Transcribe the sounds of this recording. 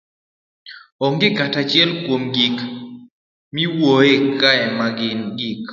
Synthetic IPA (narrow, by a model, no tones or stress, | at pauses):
ɔŋɡɪkatat͡ʃjɛlkwomɡik | miwoekaɛmaɡɪnɡik